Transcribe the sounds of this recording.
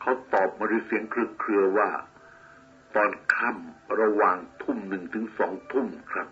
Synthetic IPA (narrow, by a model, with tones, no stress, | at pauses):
kʰa˦˥˩wt̪ɔː˨˩p̚maː˧ɾuː˧si˩˦əŋkʰɾɯ˧˩kʰɾɯ˧ɐwaː˥˩ | t̪ɔː˧nkʰa˥˩mɾa˧waː˨˩ŋt̪ʰu˥˩mnɯ˨˩ŋt̪ʰɯ˩˦ŋsɔː˩˦ŋt̪ʰu˥˩mkʰɾa˦˥p̚